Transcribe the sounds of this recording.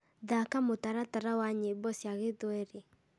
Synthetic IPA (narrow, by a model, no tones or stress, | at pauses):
ðakamotaɾataɾawaɲebɔsjaɣeðwɛɾe